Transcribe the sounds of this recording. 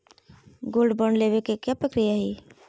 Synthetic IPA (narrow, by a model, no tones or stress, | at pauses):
ɡolɖbəɳɖleβekekjapɾəkɾijaɦi